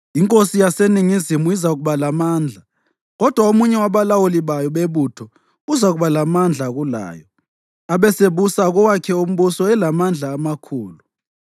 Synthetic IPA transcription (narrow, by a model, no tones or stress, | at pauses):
iŋkʼosijaseniŋizimuizaɣuβalamaːnd͡ɮʱa | ɣɔd̥ʱwaomuɲɛwaβalawuliβajɔɓeβutʰɔ | uzaɣuβalamand͡ɮʱaɣula̰ːjɔ | aɓɛseβusaɣɔwakʰɛum̩ɓusɔɛlamand͡ɮʱaːmakʰuːlu